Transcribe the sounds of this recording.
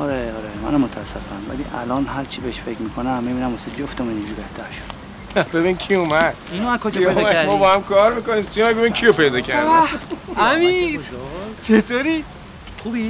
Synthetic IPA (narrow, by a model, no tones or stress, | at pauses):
ɒɾeɒɾemæ̰næmːot̪ʰæsːefæmvæ̰lḭʔæ̰lɒːnɦæɾt͡ʃʰibeeʃfekmiːkʰonæmːibiːnæmosed͡ʒoft̪omind͡ʒuɾibeht̪ʰæɾʃo̥d̪̥ | bebinimcʲʰiumæd̪̥inoakoumæmɔbɒhæmkʰɒːɾmikoniːmsiomæbeiimcʰijope̞jd̪ɒːcʰæɾdiæmi | t͡ʃʰet̪ʰoɾiː | ubi